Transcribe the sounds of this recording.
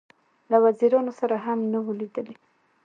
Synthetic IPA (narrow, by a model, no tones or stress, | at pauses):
lawaziɾɑnosaɾaɦamnawəlid̪əli